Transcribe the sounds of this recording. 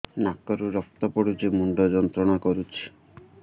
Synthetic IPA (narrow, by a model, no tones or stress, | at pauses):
nakɔɾuɾɔk̚t̪ɔpɔɽut͡ʃemuɳɖɔd͡ʒɔnt̪ɾɔɽ̃akɔɾut͡ʃʰi̥